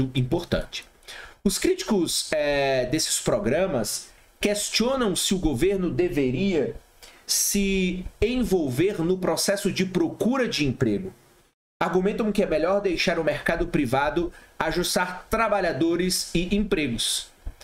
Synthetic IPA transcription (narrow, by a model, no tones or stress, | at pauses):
ʊĩpoɾt̪ɐ̰̃t͡ʃɪ̥ | ʊskɾit͡ʃi̥kʊsɛd̪esɪ̥spɾɔɡɾɐ̃mɐs | kest͡ʃiõnɐ̃w̃sɪʊɡoveɾnʊd̪eveɾiɐ | sɪẽvowveɾnʊpɾɔsɛsʊd͡ʒɪpɾokuɾɐd͡ʒɪẽpɾeɡʊ | aɾɡumẽnt̪̬ɐ̃w̃kɪɛmeʎɔɾd̪ejʃaɾʊmeɾkad̪ʊpɾivad̪ʊaʒust̪aɾt̪ɾabaʎad̪oɾɪzɪʔẽpɾeɡʊs